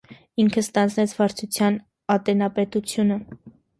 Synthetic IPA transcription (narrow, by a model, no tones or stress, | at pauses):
iŋkʰəst̪ɑnd͡znɛt͡sʰvɑɾt͡sʰut͡sʰjɑn | ɑt̪ɛnɑpɛt̪ut͡sʰjunə